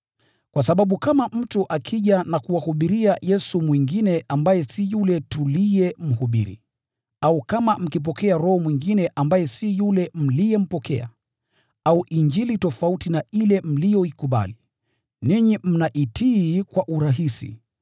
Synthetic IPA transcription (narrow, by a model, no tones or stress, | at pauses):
kwasaɓaɓukamam̩tuʔakʰiʄanakuwahuɓiɾiajɛsumwiŋɡinɛʔambajɛsijulɛtulijɛm̩huɓḭɾḭ | aukamam̩kip̬ɔkɛaɾɔhɔmwiŋɡinɛʔambajɛsijulɛm̩lijɛm̩pɔkɛ̰a̰ | auʔiɲd͡ʒilitɔfautinailɛm̩lijɔikuɓa̰li | niɲim̩naʔitʰiːkwaʔuɾaɦisḭ